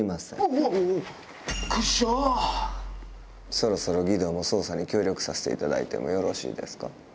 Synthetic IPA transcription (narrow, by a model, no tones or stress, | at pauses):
masḛ̃ | kɯɕo | so̞ɾo̞so̞ɾo̞ɡʲid̪o̞ːmo̞so̞ːsaɲ̟ikʲo̞ːɾʲo̞kɯ̟̥sase̥t̪e̞̰it̪ad̪a̰ḭt̪e̞̰mo̞̰jo̞ɾo̞ɕḭːd̪e̞sɨ̥ka